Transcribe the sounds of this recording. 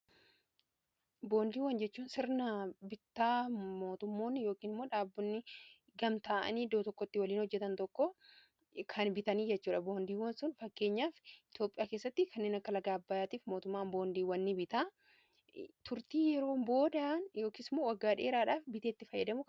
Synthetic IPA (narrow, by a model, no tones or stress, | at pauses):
bo̞ːnd̪iːwːɐnd͡ʒɛt͡ʃːuːnsɪɾnɐbɪt̪ːaːmo̞ːt̪ʊmːo̞ːnːɪjoːkiːnɪmːo̞ːᶑaːbːʊnːɪ | ɡɐmt̪aːʔɐ̰niːd̪oːt̪ɔkːɔt̪ːɪwɐliːnhɔd͡ʒːɛt̪ɐnt̪ɔkːɔ | kʰɐnbɪt̪ɐniːd͡ʒɛt͡ʃːuːᶑɐboːnd̪iːwɐnsʊnfɐkːe̞ːɲːaːfɪt̪jo̞ːpʼːɪjaːke̞ːsːɐt̪ːɪkʰɐnːeːnɐkːɐlɐɡaːbːaːjaːt̪iːfmo̞ːt̪ʊmːaːnbo̞ːnd̪iːwɐnːɪbɪt̪aː | t̪ʊɾt̪iːjɛɾo̞ːbo̞ːd̪aːnjo̞ːkiːsɪmːoːwɐɡːaːᶑḛːɾaːᶑaːfbɪt̪eːt̪ːɪfɐjːɐd̪ɐmʊ